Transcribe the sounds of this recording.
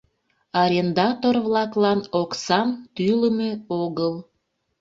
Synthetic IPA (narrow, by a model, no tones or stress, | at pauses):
ɑɾʲend̪ɑt̪orβlɑklɑnoksɑnt̪yləmeoɣəl